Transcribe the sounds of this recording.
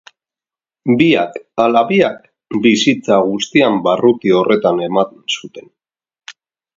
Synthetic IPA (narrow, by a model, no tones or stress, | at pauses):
biakalaβiak̚ | bisit͡saɣust̪iambarut̪io̞re̞t̪ane̞mat̪ensut̪e̞n